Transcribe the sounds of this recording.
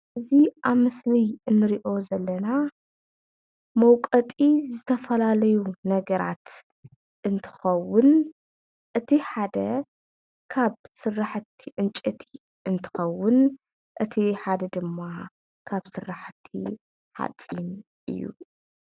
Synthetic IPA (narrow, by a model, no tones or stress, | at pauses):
ʔɨziʔaβmɨslɨjɨnːɨɾiʔo̞zɐlːɐna | mɐwkʼɐt̪ʼizɨt̪ʰɐfɐlalɐjunɐɡɐɾa̰t̪ | ʔɨnt̪ʰɨ̥xɐwʊn | ʔɨt̪ʰiħad̪ɐ | kʰaβsɨrːaħɨt̪ʰːiʔɨnt͡ʃʼɐt̪ʰi̥ | ɨnt̪ʰɨ̥xɐwːʊn | ʔɨt̪ʰiħad̪ɐd̪ɨmːa | kʰaβsɨrːaħt̪ʰːḭ | ħa̰t̪ʼin | ʔɨ̰jːṵ